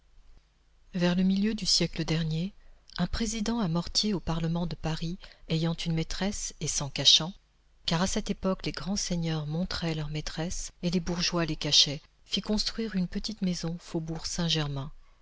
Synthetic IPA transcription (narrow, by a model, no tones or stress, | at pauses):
vɛʁləmiljød̪ysjɛkləd̪ɛʁnjeɛ̃pχezid̪ɑ̃amɔʁt̪jeopaʁləmɑ̃d̪əpaʁiejɑ̃t̪ynmet̪χɛsesɑ̃kaʃɑ̃ | kaʁasɛt̪epɔkleɡʁɑ̃seɲœʁmɔ̃t̪χɛlœʁmet̪χɛselebuʁʒwalekaʃɛ | fikɔ̃st̪χɥiʁynpət̪it̪mezɔ̃fobuʁsɛ̃ʒɛʁmɛ̃